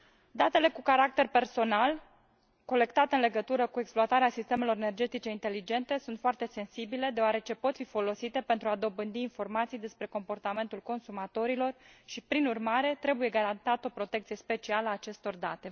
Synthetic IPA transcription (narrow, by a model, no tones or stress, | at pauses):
d̪at̪e̞le̞kukaɾak̚t̪e̞rpe̞rso̞nal | ko̞le̞kt̪at̪eɨnle̞ɡət̪uɾəkue̞ksploat̪aɾeasist̪eme̞lo̞ɾene̞rd͡ʒe̞t̪it͡ʃe̞int̪e̞lid͡ʒe̞nt̪e̞sunt̪foart̪e̞se̞nsibile̞d̪eoaɾe̞t͡ʃe̞po̞t̪fifo̞lo̞sit̪e̞pe̞nt̪ɾuad̪o̞bɨnd̪iːnfo̞rmat̪sijd̪e̞spɾe̞ko̞mpo̞rt̪ame̞nt̪ulko̞nsumat̪o̞ɾilo̞rʃipɾinurmaɾe̞t̪ɾe̞buje̞ɡaɾant̪at̪əo̞pɾo̞t̪e̞kt̪sije̞spe̞t͡ʃialəaːt͡ʃe̞st̪o̞rd̪at̪e̞